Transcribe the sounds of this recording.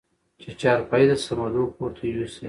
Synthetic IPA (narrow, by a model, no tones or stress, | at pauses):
t͡ʃet͡ʃɑɾpɑjd̪əsamad̪opoɾt̪ʰawise